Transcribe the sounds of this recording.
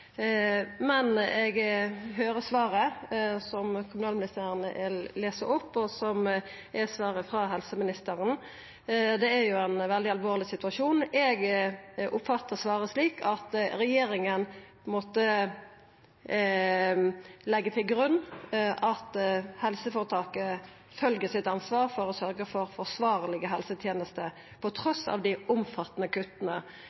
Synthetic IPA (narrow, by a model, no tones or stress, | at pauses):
mɛnɛɡɦøːɾəsʋɑːɾəsɔmkʰʊmʉnɑːlmɪnɪst̪ʰæːɾənəʔɛleːsəʊpːɔsɔm | ʔɛsʋɑːɾəfɾɑɦɛlsəmɪnɪst̪əɾən | d̪ɛæɾjʊɛnʋɛld̪ɪɑlʋoːʁlɪsɪt̪ʉɑʂuːnɛɡʔʊpfɑt̪ːəʁsʋɑːɾəsliːkʰɑt̪ɾɛjeːɾɪŋənpʰɔɪnmoːt̪ə | lɛɡːət̪ʰɪlɡɾʉnːʔɑt̪hɛlsəfoːɾət̪ʰɑːkə | fœlɡəsɪt̪ɑnsʋɑːɾfɔɾɔsœɾɡəfɔɾfɔʁsʋɑːʁlɪɡəɦɛlsət̪ʰjeːnəst̪ə | pʰɔt̪ʰɾɔsɑ̰ʋd̪ɪʔʊmfɑt̪ːənəkʰʉt̪ːənə